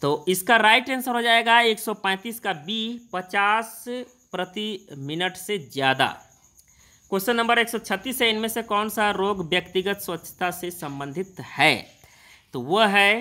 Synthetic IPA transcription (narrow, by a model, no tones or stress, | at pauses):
t̪oːɪskaɾaːɪʈẽːnsəɾɦod͡ʒaːeːɡaeːksɔpɛ̃ːt̪iːskabiːpɐt͡ʃaːs | pɾət̪imɪnəʈsezjaːd̪a̰ | kosənːə̃mbəɾeːksɔt͡ʃʰət̪ːiːseɪnmẽsekɔːnsaɾoːɡʋjəkt̪ɪɡət̪swɐt̪ːʃʰə̥t̪asesɐ̃mbə̃nd̪ʱɪt̪hɛː | t̪oʋɐɦɛː